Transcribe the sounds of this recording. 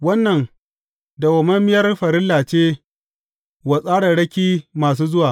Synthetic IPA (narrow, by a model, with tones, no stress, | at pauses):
wɐ˦nːɐ˨ŋ | da˨wɐ˨mɐ˦mːɪ˦jɐ˦rɸɐ˨ɾɪ˦lːaː˨t͡ʃeː˦ | wa˨sʼaː˦ɽa˨ɽɐ˦kʲiː˦maː˨s̬uː˦zʊ˦waː˨